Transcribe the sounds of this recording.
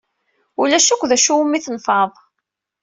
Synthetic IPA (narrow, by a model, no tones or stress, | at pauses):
ulæʃækʷːðæʃuwmːiθənfɑðˤ